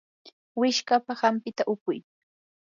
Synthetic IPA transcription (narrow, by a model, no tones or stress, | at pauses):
wɪʃkapahampɪt̪aʔʊkʊj